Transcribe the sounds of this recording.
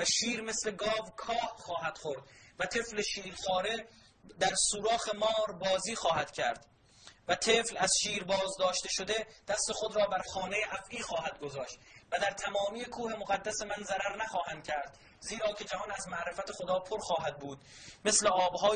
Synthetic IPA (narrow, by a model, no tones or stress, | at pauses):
væʃiːɾme̞sle̞ɡɒːvkʰɒːhχɒːɦæd̪̥χoɾd̪væt̪ʰe̞fleʃiːɾxɒːɾe̞ | d̪æɾsuːɾɒːxe̞mɒːɾbɒːziːxɒːhæd̪̥cʰæ̰ɾd̪̥ | væt̪ʰe̞ːflæzʃiːɾbɒːzd̪ɒːʃt̪e̞ʃo̞d̪e̞d̪̥æst̪e̞xo̞d̪ɾɒːbæɾxɒːne̞jeʔæfʔiːxɒːɦæd̪̚ɡo̞zɒːʃt̪væd̪æɾt̪ʰæmɒːmiːjekʰuːhe̞moɣæd̪ːæse̞mænzæɾæɾnæxɒːhænd̪̥̚cʲʰæɾd̪̥ | ziːɾɒːcʰe̞d͡ʒæhɒːnæzmæʔɾe̞fæt̪ʰe̞xo̞d̪ɒːpʰoɾxɒːɦæd̪̚buːd̪̥̚me̞sleɒːbɦɒː